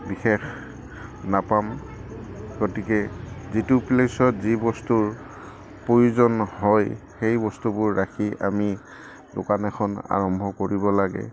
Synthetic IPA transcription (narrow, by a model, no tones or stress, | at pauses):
bixex | napam | ɡotikɛzituplesɔtzibɔstuɹ | pojuzɔnɦɔjxejbɔstubʊɹːakʰiʔa̰mi | dʊ̰kanɛxʰɔna̰ɹɔmbʱɔkoɹibɔlaɡɛ̰